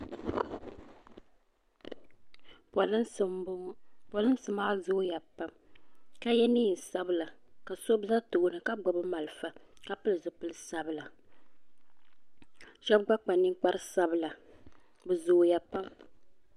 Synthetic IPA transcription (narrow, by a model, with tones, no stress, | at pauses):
plpa˨lɨ˦n˦sɨ˨˦maː˦zʊ˦ja˨pa˦mka˦jɛ˦niː˦˨n̩˨sa˦bɨ˨la˨ka˨so˦bza˦to˨ʔʊ˨nɨ˨ka˦ɡ͡bɔ˨bɨ˦ma˨lɨ˨fa˨ka˦pɨ˦lɨ˨zʊ˨pɨ˦lɨ˦sa˦bɨ˨la˨ | ʃɛ˦b̚ɡ͡ba˦k͡pa˨nɨ˦ŋ˦k͡pa˦ɾɨ˦sa˦bɨ˨la˨ | bɨ˨zʊ˨ja˨pa˦m